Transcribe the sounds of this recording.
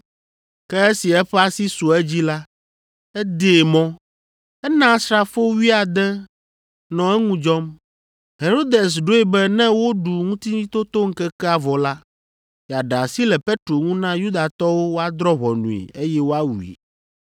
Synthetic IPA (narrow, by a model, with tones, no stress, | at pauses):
kɛ˦e˦si˨ɛ˦ɸɛ˦a˦si˦su˨ɛ˦d͡ʑi˦la˦ | ɛ˦d̪e˨mɔ̃˦ | ɛ˦nã˦sɾa˨fo˦wi˦a˨d̪ɛ˦ | nɔ̃˨ɛ˦ŋũ˦d͡ʒɔ˦m | ɦe˨ɾo˦d̪e˨s̬ɖo˦ɛ˨bɛ˦nɛ̃˦wo˦ɖu˨ŋũ˦t̪i˦ɲĩ˦t̪o˦t̪o˦ŋ̩˦kɛ˦kɛ˦a˨vɔ˨la˦ | ja˨ɖa˨si˦lɛ˨pe˦t̪ɾo˨ŋũ˦nã˦ju˦d̪a˨t̪ɔ˦wo˦wo˦a˦d̪ɾɔ˦βɔ˨nṵ̃˨ḭ˨e˦jɛ˦wo˦a˦wu˨ḭ˨